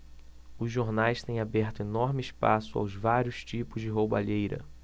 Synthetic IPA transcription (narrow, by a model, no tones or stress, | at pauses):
ʊzʒoɾnajst̪ẽj̃abɛɾt̪ʊenɔɾmɪɪsʃpasʊa̰wzvaɾjʊst͡ʃipʊzd͡ʒɪɦowba̰ʎejɾɐ̰